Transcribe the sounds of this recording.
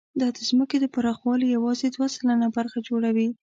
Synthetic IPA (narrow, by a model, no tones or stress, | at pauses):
d̪ɑd̪əzməked̪əpaɾɑxwɑlijawɑzed̪wasalanabaɾxad͡ʒoɽawi